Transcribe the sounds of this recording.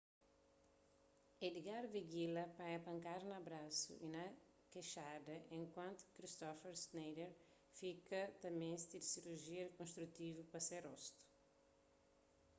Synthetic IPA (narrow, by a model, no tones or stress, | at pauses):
ed̪iɡaɾviɡilɐpajɐpɐ̃ŋkaɾnɐbɾasṵʔinɐ | keʃad̪ɐʔẽŋkwɐ̃nt̪u̥kɾist̪ɔfeɾsnejd̪eɾ | fikɐt̪ɐmẽst̪id̪siɾuɾʒiɐɾkõnst̪ɾut̪ivupɐseɾɔst̪u̥